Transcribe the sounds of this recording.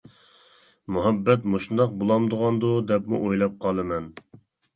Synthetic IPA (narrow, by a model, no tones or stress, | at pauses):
muɦɛbːɛt̪moʃund̪ɑq̚bolˠɑmd̪ʊʁɑnd̪ud̪ɛpmṵʔojlˠɑp̚qʰɑlˠɨmɛn